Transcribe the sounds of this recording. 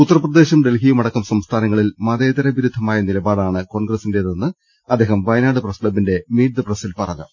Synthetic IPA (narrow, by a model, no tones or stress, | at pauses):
ut̪ːɐrɐprɐd̪e̞ːɕɐmɖe̞lɦijɐmɐɽɐkːɐmsɐmst̪ʰaːnɐŋːɐɭilmɐðeːðɐɾɐʋiɾud̪ʱːɐmaːjɐnilɐbaːɽaːɳɨko̞ːɳɡrɐsinde̞ðɐnːɨ | ɐd̪ːeːɦɐmʋɐjnaːɽɨprɐslɐbinde̞miːʈ̚d̪ɨprɐsilpɐrɐɣɐ̰m